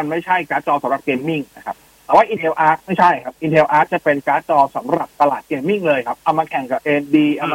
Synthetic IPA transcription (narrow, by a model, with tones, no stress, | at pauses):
a˧nma˥˩jt͡ɕʰa˥˩jkaː˦˥t̪̚t͡ɕɔː˧sa˨˦mɾa˨˩p̚keː˧mːi˥˩ŋna˦˧kʰa˦˥p̚t̪ɛː˨˩waː˥˩ʔi˧nʰe˧wʔaː˦˥ma˥˩jt͡ɕʰa˥˩jkʰa˦˥pʔi˧nt̪ʰe˧wʔaː˦˥t͡ɕa˨˩pe˧nkaː˦˥t͡ɕɔː˧sa˩˦mɾa˨˩p̚t̪a˧laː˨˩t̪̚keː˧mːi˥˩ŋlɤː˧jkʰa˦˥p̚ʔa˧wmaː˧kʰɛ˨˩ŋka˨˩p̚ʔeː˧ndiː˧ʔa˧wma˧